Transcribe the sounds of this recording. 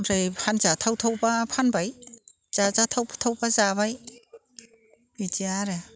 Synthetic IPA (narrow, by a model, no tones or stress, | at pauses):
ɾejpʰanzatʰawtʰawbapʰanbaj | z̥azatʰawbtʰawbazabaj | bid͡ʒiaɾe